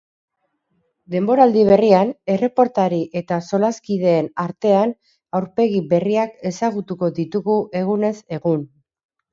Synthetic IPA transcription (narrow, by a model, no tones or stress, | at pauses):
d̪e̞mbo̞ɾald̪iβe̞riane̞re̞po̞ɾt̪aɾiʔe̞t̪aso̞laskið̞e̞ːnaɾt̪e̞an | awɾpe̞ɣiβe̞riake̞saɣut̪uko̞ðit̪uɣuʔe̞ɣune̞se̞ɣun